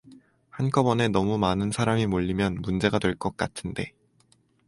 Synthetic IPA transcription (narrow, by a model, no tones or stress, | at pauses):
hank͈ʌbʌne̞nʌmumanɯnsʰaɾamimoʎːimjʌnmund͡ʑe̞ɡadwe̞ɭk͈ʌk̚k͈a̰tʰɯnde̞